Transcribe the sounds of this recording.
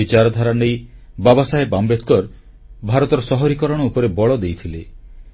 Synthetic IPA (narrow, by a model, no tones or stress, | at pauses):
it͡ʃaɾɔd̪ʱaɾanej | babɔsaɦebambet̪ʰkɔɾ | bʱaɾɔt̪ɔɾɔsɔɦɔɾikɔɾɔɽ̃ɔupɔɾebɔɭɔd̪ejt̪ʰile